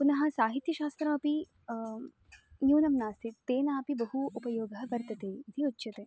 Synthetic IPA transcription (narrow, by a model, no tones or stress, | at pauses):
pʊnɐɦɐ̆saːɦit̪jɐʃaːst̪ɾɐːpi | jũːnɐmnaːst̪ʰit̪t̪eːnaːpibɐɦuupɐjoːɡɐʋɐɾt̪ɐt̪eːd̪ʱiutːʃɐt̪e